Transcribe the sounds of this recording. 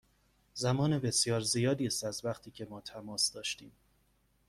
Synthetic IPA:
zæmɒːnebe̞sjɒːɾzijɒːd̪iːst̪æzvæχt̪ʰiːcʰe̞mɒːt̪ʰæmɒːsd̪ɒːʃt̪iːm

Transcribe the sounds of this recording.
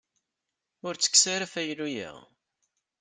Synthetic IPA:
ʊɾt͡sːə̥kːsaɾæfæjlujæ̰

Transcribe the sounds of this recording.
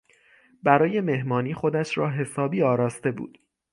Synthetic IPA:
bæɾɒːje̞me̞hmɒːniːxo̞d̪æʃɾɒːɦe̞sɒːbiːɒːɾɒːst̪e̞bṵːd̪̥

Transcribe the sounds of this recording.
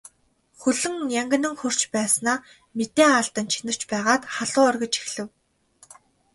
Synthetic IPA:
xɵɮɵ̆ŋjæŋɡʲə̆nɘ̆ŋxɵr̥t͡ɕpæːsnaː | met̪eːaːɬt̪ə̆nt͡ɕʰinə̆r̥t͡ɕpæːʁaːt̪χaɮʊːœrɣʲə̆t͡ɕe̥xɮɘ̆w

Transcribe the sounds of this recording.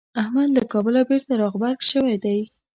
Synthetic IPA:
ahmad̪lakɑbəlabeɾt̪aɾɑɣbaɾɡʃəwajd̪aj

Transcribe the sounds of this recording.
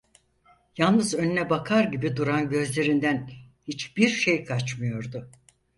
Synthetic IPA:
jalˠnɯzønynɛbakʰaɾɟibid̪uɾanɟø̞zlʲe̞ɾind̪æn | hit͡ʃbiɾʃe̞jkʰat͡ʃmɯjo̞ɾd̪ʊ

